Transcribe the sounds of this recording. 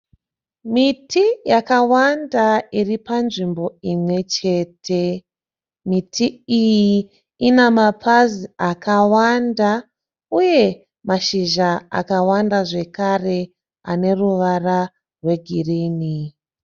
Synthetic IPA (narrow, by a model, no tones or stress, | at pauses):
mitijakawandairipanʐimbo̞imwe̞t͡ʃe̞ːtʰe̞ | mitʰiiji | inamapʰaziakawanda | uje̞ | maʃiʒaa̰kawandaʐe̞kare̞ | a̰ne̞ruʋara | rwe̞ɡʱiriːni